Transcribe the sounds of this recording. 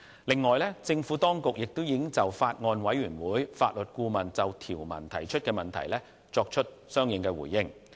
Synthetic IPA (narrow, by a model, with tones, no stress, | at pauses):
lɪ˨ŋːɔː˨˩jlɛ˥t͡sɪ˧ŋfuː˨˥t̪ɔː˥ŋkʊ˨k̚jɪ˨k̚t̪o˥wjɪ˨˥ŋt͡sɐ˨wfaː˧t̚ŋɔː˧nwɐ˨˥jɥyː˨˩nwuː˨˥jfaː˧t̚lɵ˨t̚kuː˧mɐ˨nt͡sɐ˨wt̪ʰiː˨˩wmɐ̰˨˩nt̪ʰɐ˨˩jt͡ʃʰɵ˥t̚kɛː˧mɐ˨nt̪ʰɐ̰˨˩jlɛː˥ | t͡sɔː˧k̚t͡ʃʰɵ˥t̚sœː˥ŋjɪ˨˧ŋkɛː˧wṵː˨˩jːɪ˧˥ŋ